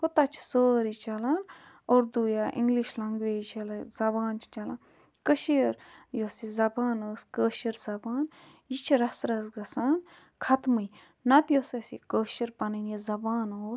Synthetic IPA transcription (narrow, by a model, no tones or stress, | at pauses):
kot̪ɐt͡ʃʰsoːɾit͡ʃɐlan | oːɾd̪uːjaːʔḭŋɡliʃlɐŋɡʋeːit͡ʃɐlɐzɐbaːnt͡ʃʰt͡ʃɐlan | kəʃiɾjosizɐbaːnəːskəːʃiɾzɐbaːn | jit͡ʃʰiɾɐsɾɐsɡɐsaːn | kʰɐt̪mɨj | nɐt̪josesḭkəːʃiɾpɐnɐnizɐbaːnoːs